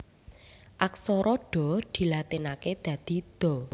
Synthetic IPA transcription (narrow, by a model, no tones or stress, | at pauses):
ʔaksɔɾɔɖ̥ɔ̤d̪̥i̤lat̪inaked̪̥ä̤d̪̥i̤d̪̥ɔ̤